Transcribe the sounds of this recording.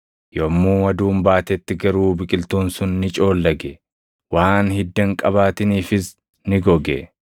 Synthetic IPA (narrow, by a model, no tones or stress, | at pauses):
joːmːuːɐd̪uːmbaːt̪ɛt̪ːɪɡɐɾuːbɪkʼɪlt̪uːnsʊnːɪt͡ʃʼo̞ːlːɐɡɛ | waːnhɪd̪ːɐŋkʼɐβaːt̪ɪniːfɪs | nɪɡɔɡɛ̰